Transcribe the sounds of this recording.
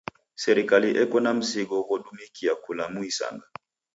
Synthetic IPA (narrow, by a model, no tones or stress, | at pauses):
sɛɾikaliʔɛkɔnam̩siɡɔwɔɗumikiakulamuisa̰ŋɡa